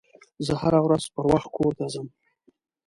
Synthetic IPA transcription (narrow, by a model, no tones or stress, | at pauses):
zəhaɾawɾazpəɾwaxt̪̚kʰoɾt̪azəm